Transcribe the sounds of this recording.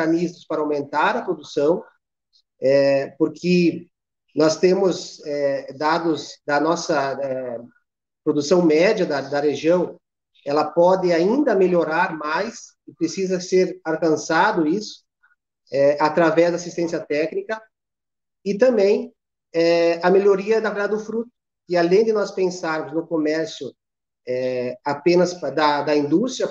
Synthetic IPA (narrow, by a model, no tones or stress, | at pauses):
ɐnizmʊspaɾɐawmẽnt̪aɾɐpɾod̪usɐ̃w̃ | ɛpoɾkʰɪ | nɔst̪ẽmʊzɛd̪ad̪ʊzd̪ɐnɔsɐɛ | pɾod̪usɐ̃w̃mɛd͡ʒɐd̪ɐd̪ɐʁeʒiɐ̃w̃ | ɛlɐpɔd̪ɪaĩnd̪ɐmeloɾaɾmajs | ɪpɾesizɐseɾaɾkɐ̃sad̪ʊisʊ̥ | ɛat̪ɾavɛzd̪asist̪ẽsjɐt̪ɛknikɐ | ɪt̪ɐ̃mbẽj̃ | ɛɐmeʎoɾiɐd̪ɐveɾd̪ad̪ɪd̪ʊfɾut̪ʊ̥ | kɪalẽj̃d̪ɪnɔspẽsaɾmʊznʊkomɛɾsjʊ | ɛapẽnɐsd̪ɐd̪ɐĩnd̪ust̪ɾjɐ